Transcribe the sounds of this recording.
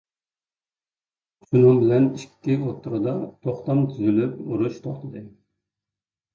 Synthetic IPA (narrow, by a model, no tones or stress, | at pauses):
ʃunɨŋbɪlɛniʃkʲʰi̥t̪ʰɪot̪ʰːʊɾɨd̪ɑt̪ʰoχt̪ɑmt̪ʰyzylypuɾuʃt̪ʰoχt̪ʰɨd̪ɨ